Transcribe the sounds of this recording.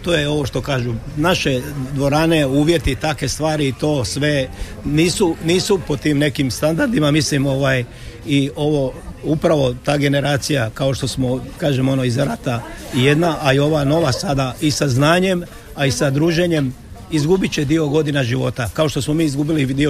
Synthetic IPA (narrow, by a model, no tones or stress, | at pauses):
t̪oːjeo̞ʋo̞ʃt̪o̞kaːʒunaʃe̞d̪ʋo̞ɾane̞uːʋje̞t̪it̪akʋe̞st̪ʋaːɾiːt̪o̞ːsʋe̞niːsuniːsupo̞t̪iːmne̞kimst̪and̪aɾd̪imamislimo̞ʋaːj | io̞ʋo̞upɾaʋo̞t̪aːɡe̞ne̞ɾaːt̪sijakao̞ʃt̪o̞smo̞kaːʒemo̞no̞izɾat̪aije̞d̪naʔaio̞ʋano̞ʋasad̪aisaznaːɲe̞m | aisad̪ɾuːʒe̞ɲe̞m | izɡubit͡ɕe̞d̪io̞ɡo̞d̪inaʒiʋo̞t̪akao̞ʃt̪o̞smo̞miːizɡubilid̪io